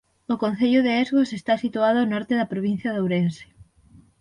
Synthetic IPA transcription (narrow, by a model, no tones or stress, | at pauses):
okon̟θeʎʊðeezɣosest̪asit̪uaðʊanɔɾt̪eðɐpɾoβin̟θjɐðowɾense̥